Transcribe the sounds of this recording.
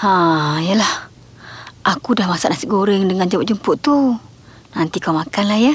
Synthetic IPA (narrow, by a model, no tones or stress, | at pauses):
hãijəlah | ʔakudahmasaʔnasiʔɡoɾɪŋdəŋand͡ʒəmaʔd͡ʒumpʊʔt̪u | nant̪ikawmakanlahjə